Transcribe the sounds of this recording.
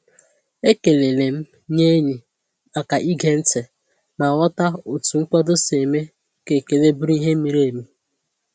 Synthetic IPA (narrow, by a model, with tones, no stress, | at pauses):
e˦ke˨le˨le˨m̩˦ | ɲe˦ɲi˨ | a˨ka˨ʔi˦ɡe˦n̩˦tɪ˨ | na˨wɔ˦ta˦o˨tu˨ŋ̩˦k͡pɔ˦dʊ˦se˨me˦ | ke˨ke˨le˦bɾi˦ɦe˦mi˦ɾe˨mi˦